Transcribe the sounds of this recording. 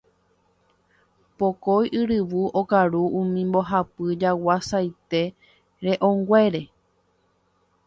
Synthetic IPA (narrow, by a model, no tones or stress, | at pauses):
pokojʔɨɾɨʋuʔokaɾuʔũmĩmbo̞ɦapɨd͡ʒawasajt̪e̞ | ɾe̞ʔõŋɡʷe̞ɾe̞